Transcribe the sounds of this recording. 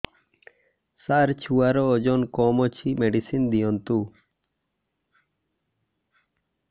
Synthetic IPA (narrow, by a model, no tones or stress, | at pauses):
saɾt͡ʃʰuaɾɔɔd͡ʒɔnkɔmɔt͡ʃʰimeɖisind̪ijɔnt̪u